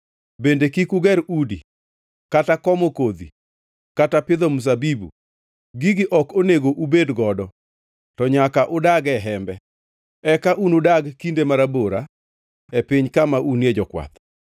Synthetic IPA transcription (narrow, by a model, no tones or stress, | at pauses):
bendekikuɡɛɾudḭ | katakɔmokod̪ḭ | katapɪd̪omus̬abibṵ | ɡiɡɪʔɔkoneɡoʔubedɡɔdɔ | tɔɲakaʔʊdaɡɛɦɛmbɛ | ɛkaʔunʊdaɡkindemaɾaboɾa | epɪɲkamaʔunjed͡ʒɔkwa̰t̪